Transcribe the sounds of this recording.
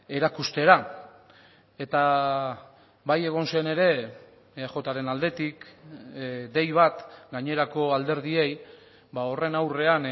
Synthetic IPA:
e̞ɾakust̪e̞ɾa | e̞t̪a | βaje̞ɣ̞o̞nsene̞ɾe̞ | χo̞t̪aɾe̞nald̪e̞t̪ik | d̪e̞jβ̞at̪ɡaɲe̞ɾako̞ald̪e̞ɾðie̞j | bao̞re̞nawre̞an

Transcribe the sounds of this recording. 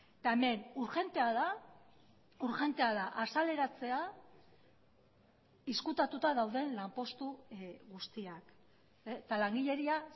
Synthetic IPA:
t̪aeme̞nuɾʝe̞nt̪eaða | uɾxe̞nt̪e̞aðaʔasale̞ɾat͡se̞a | iskut̪at̪ut̪aðawðe̞nlampo̞st̪uɣust̪iak | t̪alaŋɡiʎe̞ɾia

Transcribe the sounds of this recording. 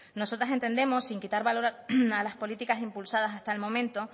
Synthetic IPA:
no̞so̞t̪ɾas̬e̞nt̪e̞nd̪e̞mo̞sːiŋkit̪aɾβalo̞ɾalaspo̞lit̪ikasimpulsað̞as̬ast̪aelmõ̞mẽ̞nt̪o̞

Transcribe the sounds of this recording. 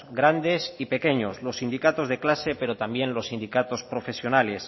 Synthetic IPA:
ɡɾand̪e̞sipe̞ke̞ɲo̞zlo̞sːind̪ikat̪o̞zðe̞klase̞pe̞ɾot̪ambjẽ̞nlo̞sind̪ikat̪o̞spɾofesjonale̞s

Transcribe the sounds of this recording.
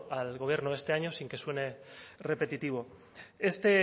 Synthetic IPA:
alɣo̞β̞je̞ɾnoest̪e̞aɲo̞siŋke̞swe̞nere̞pe̞t̪it̪iβ̞o̞ | e̞st̪e̞

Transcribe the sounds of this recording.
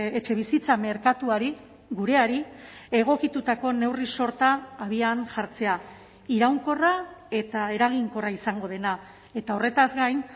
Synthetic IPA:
et͡ʃe̞β̞isit͡same̞ɾkat̪uaɾi | ɣuɾe̞aɾie̞ɣ̞o̞kit̪ut̪ako̞ne̞wriso̞ɾt̪aːβianʝaɾt͡se̞a | iɾawŋko̞rae̞t̪ae̞ɾaɣ̞iŋko̞raisaŋɡo̞ð̞e̞na | e̞t̪aore̞t̪azɡajn

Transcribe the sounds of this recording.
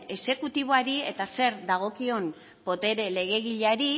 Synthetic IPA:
e̞se̞kut̪iβ̞o̞aɾie̞t̪ase̞ɾd̪aɣ̞o̞kio̞n | po̞t̪e̞ɾe̞le̞ɣ̞e̞ɣ̞iʎaɾi

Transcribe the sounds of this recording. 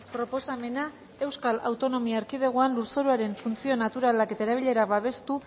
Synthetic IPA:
pɾo̞po̞same̞na | e̞wskala̰wt̪o̞no̞miaːɾkið̞eɣ̞oanluɾso̞ɾuaɾe̞ɱfunt͡sio̞nat̪uɾalake̞t̪aeɾaβ̞iʎe̞ɾaβaβ̞e̞st̪u

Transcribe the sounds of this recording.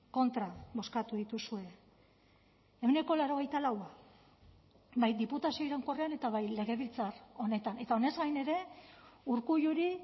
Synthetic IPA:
ko̞nt̪ɾaβo̞skat̪uðit̪usue̞ | e̞wne̞ko̞laɾo̞ɣ̞e̞jt̪alawa | bajd̪iput̪asio̞iɾaŋko̞reane̞t̪aβajle̞ɣ̞e̞βilt͡saro̞ne̞t̪ane̞t̪ao̞ne̞zɡajne̞ɾe̞uɾkuʎuɾi

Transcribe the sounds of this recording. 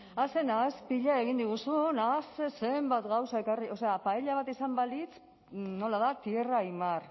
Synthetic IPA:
ase̞naspiʎae̞ɣ̞ind̪iɣ̞usunasese̞mbat̪ɣawsae̞kario̞se̞apaeʎaβ̞at̪isambalit͡s | no̞laðat̪ie̞raimar

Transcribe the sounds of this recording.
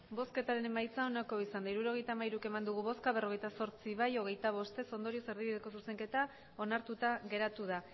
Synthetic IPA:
bo̞ske̞t̪aɾe̞ne̞majt͡sao̞nako̞isand̪aiɾuɾo̞ɣ̞e̞jt̪amaiɾuke̞mand̪uɣ̞uβo̞skaβe̞ro̞ɣe̞jt̪aso̞ɾt͡siβajo̞ɣ̞e̞jt̪aβ̞o̞st̪e̞so̞nd̪o̞ɾio̞se̞ɾðiβiðe̞ko̞suse̞ŋke̞t̪a | o̞naɾt̪ut̪aɣe̞ɾat̪uð̞a

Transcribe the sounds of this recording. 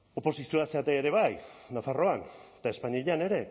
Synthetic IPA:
o̞po̞sisioaseat̪eeɾe̞β̞ajnafaro̞ant̪ae̞spaɲeʎane̞ɾe̞

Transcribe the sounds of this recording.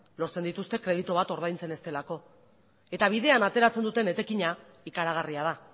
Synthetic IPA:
lo̞ɾt͡se̞nd̪it̪ust̪e̞kɾe̞ð̞it̪oβ̞at̪o̞ɾð̞ajnt͡se̞ne̞st̪e̞lako̞ | e̞t̪aβ̞ið̞e̞anat̪e̞ɾat͡se̞nd̪ut̪e̞ne̞t̪e̞kiɲa | ikaɾaɣ̞ariað̞a

